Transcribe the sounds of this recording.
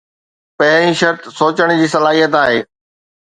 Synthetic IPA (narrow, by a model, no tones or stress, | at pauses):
pɐɦɾ̃ĩʃɐɾt̪soːt͡ɕəɽ̃d͡ʑiːsɐlaːɦijət̪aːɦeː